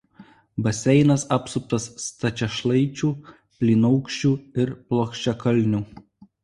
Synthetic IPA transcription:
bɐsʲɛɪnɐsɑpsʊp̚t̪ɐst̪ɐt͡ʃʲɛʃlˠɐɪt͡ʃʲuː | pʲlʲiːnɐʊkʃʲt͡ʃʲuːɪɾplˠoːkʃʲt͡ʃʲɛkɐlʲˑnʲuː

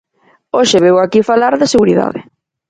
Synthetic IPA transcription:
oʃeβewakifalaɾðɪseɣuɾiða̰ðɪ

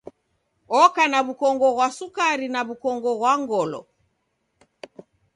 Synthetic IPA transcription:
ɔkanaβukɔŋɡɔɣwasukaɾinaβukɔŋɡɔɣwaŋɡɔlɔ̰

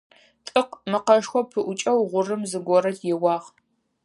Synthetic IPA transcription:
tʼɨqmɨqɐʂxʷɔpʰɨʔʷʊt͡ʃʼɐwʁʷʊrɨmzɨɡʷɔɾɐtʰjɛwɑːʁ

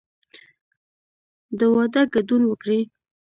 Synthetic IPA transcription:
d̪əwɑd̪aɡad̪unwəkɽi

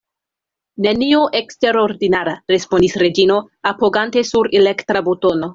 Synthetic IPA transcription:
nenioʔekste̞ɾoɾdinaɾaɾe̞spo̞ndisɾe̞d͡ʒino̞ | apo̞ɡante̞suɾelekt̪ɾabuto̞no̞

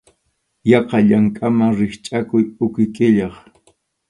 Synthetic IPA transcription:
jɑqɑʎaŋkʼamaŋɾɪχt͡ʃʼakʊjʊkɪkʼɪʎɑχ

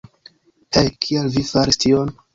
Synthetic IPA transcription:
hejkʰialvifaɾistion

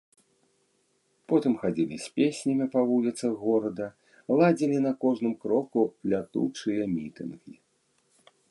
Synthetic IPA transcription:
pɔt̪ɨmxad͡zʲilʲḭsʲpʲesʲnʲɐmʲipavulʲit̪sɐɣɔɾɐd̪ɐ | lˠad͡zʲilʲinɐkɔʐnɨmkɾɔkulʲat̪ṵt͡ʂɨjɐmʲit̪ɨ̰nɣʲḭ

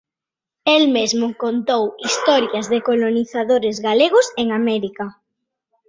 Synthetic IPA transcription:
elmezmʊkont̪owist̪ɔɾjɐzðekoloniθaðoɾezɣaleɣ̞ʊseŋamɛɾika

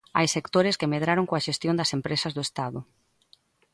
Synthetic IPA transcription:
a̰jsekt̪oɾɪskemeð̞ɾaɾoŋkoɐaʃest̪jond̪ɐsempɾesɐzðʊest̪aðʊ

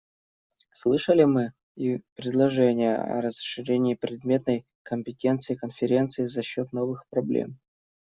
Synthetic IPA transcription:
slˠɨʂəlʲɪmɨ | ipɾʲɪd̪lˠɐʐɛnʲɪjəɐ̰ɾəzʂːɨɾʲenʲɪːpɾʲɪd̪mʲet̪nəj | kəmʲpʲɪtʲe̞nt̪sɨɪkənfʲɪɾʲe̞nt̪sɨɪzɐɕːot̪no̞vɨxpɾɐblʲḛm

